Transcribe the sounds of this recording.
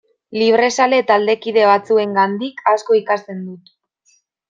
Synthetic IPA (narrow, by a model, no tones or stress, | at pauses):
liβ̞ɾe̞sale̞t̪ald̪e̞kið̞e̞β̞at͡sue̞ŋɡand̪ikasko̞ikast̪e̞nd̪ut̪